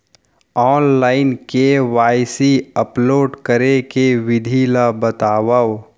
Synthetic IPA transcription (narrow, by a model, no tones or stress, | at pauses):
ɔːnlaːɪnkeʋaːɪsiəploːɖkəɾekeʋɪd̪ʱiːlabət̪aːwaw